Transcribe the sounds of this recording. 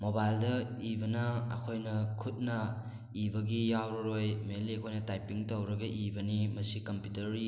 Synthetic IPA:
mobajldɐ | ibɐnɐːkʰojnɐkʰut̚nɐ | ibɐɡijawɾɐɾojmelikʰojnɐtajpiŋtɐwɾɐɡɐʔibɐnimɐsikɐmpjutɐɾi

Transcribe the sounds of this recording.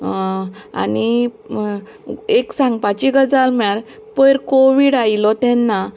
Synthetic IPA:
a̰ni | eksãŋɡpat͡ɕiɡəd͡zalmɭaɾ | pəɾkoʋiɽailɔt̪ɛ̃nːa

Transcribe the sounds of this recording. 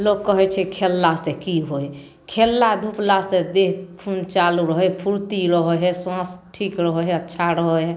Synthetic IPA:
loɡ̚kəɦɛt͡ʃʰɛkʰelːasekiɦoe | kʰelːad̪ʱuplased̪epʰunt͡ʃaluɾəɦɔpʰuɾt̪iɾəɦɔɦɛswãsʈʰiːkɾəɦɔɦɛətːʃʰaɾəɦɔɦɛ

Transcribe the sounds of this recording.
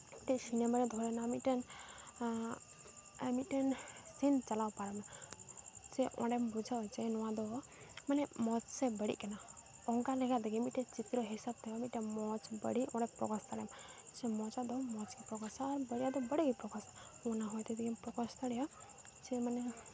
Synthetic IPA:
ʈɛsinemaɾɛd̪ʱɔɾɛnamiʈɛn | miʈɛnsint͡ʃalawpaɾɔmɛ | t͡ʃɛʔɔ̰̃ɖɛmbud͡ʒʱat͡ʃɛnɔwãd̪ɔ | manɛmɔt͡ʃsɛbəɽḭʔkɛnaɔŋkalɛɡad̪ɛɡɛmiʈɛt͡ʃit̪ɾɔɦisab̚t̪ɛɔmiʈɛmɔt͡ʃbə̰ɽiʔɔ̃ɽɛpɾɔ̰kɔst̪aɽɛ̰mt͡ʃɛmɔt͡ʃad̪ɔmɔt͡ʃkipɾɔɡɔsaːɾbəɽijad̪ɔbəɽikipɾɔkasa | ɔnaɦɔjt̪ɛd̪ɛɡɛmpɾɔkɔst̪aɽɛja | t͡ʃɛmanɛ

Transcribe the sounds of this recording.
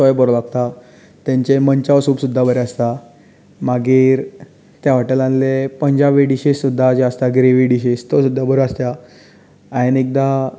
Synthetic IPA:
sɔjbəɾolaɡt̪a | t̪jãɲt͡ɕeməɲt͡ɕaʋsuːbsud̪ʱːabəɾeast̪a | maɡiːɾ | t̪jaʋaʈəlãnlepəɲd͡ʑaʋeɖiɕisːud̪ʱːad͡ʑeəst̪aɡɾeʋiɖiɕist̪osud̪ʱːabəɾəəst̪ja | ajenek̚d̪a

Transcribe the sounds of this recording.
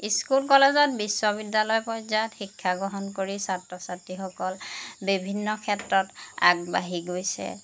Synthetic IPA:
iskulkɔlezɔt̚biswɔbidːalɔjpɔjzatxikʰːaɡɹɔɦɔnkoɹisatɹɔsatixɔkɔlbibʱinːɔkʰɛtɹɔta̰ɡ̚baɦiɡojsɛ̰

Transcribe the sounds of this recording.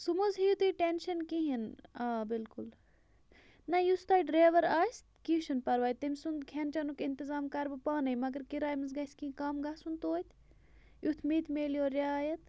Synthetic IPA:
sumɐzɦijut̪uʈenʃɐnkiɦinaːbilkul | nɐjust̪aːiɖɾeːʋɐɾaːjst̪kiʃɐnpɐɾʋaːjt̪ɐmʲsund̪kʰent͡ʃɐnukint̪izaːmkɐɾbɨpaːnɐjmɐɡɐɾkiɾaːjmɐzɡɐskĩĩkamɡaːsunt̪oːt̪ʲ | jut̪ʰmit̪ʰmeːlijoːɾjaːjɐt̪

